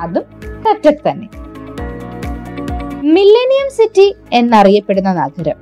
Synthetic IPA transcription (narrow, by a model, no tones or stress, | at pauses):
ɐðumkɐtːɐkt̪ɐnːe̞̰ | milːenijɐmsitːie̞nːɐrijɐpːe̞ɽunːɐna̰ːɡʱɐɾɐm